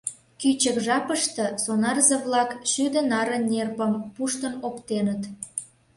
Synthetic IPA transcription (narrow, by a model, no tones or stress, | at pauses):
kyt͡ɕəkʒɑpəʃt̪ɤ̆sonɑrzəβlɑkʃyd̪ə̆nɑɾə̆nnːʲerpəmpuʃt̪ənokt̪enət̪